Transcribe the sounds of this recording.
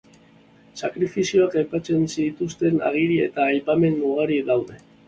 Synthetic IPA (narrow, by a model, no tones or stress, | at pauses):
sakɾifisio̞akajpat͡se̞nsit̪ust̪e̞na̰ɣ̞iɾie̞̰t̪aːjpame̞nːuɣaɾiðawðe̞